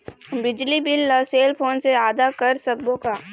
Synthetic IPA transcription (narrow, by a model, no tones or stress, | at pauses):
bɪd͡ʒlibɪlːɐːseːlpʰoːnseaːd̪akɐɾsɐk̚bõkaː